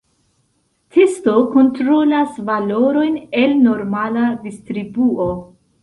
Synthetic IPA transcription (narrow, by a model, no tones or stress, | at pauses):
tʰesto̞ko̞ntɾolasvalo̞ɾo̞jnelno̞ɾmaladistɾibuo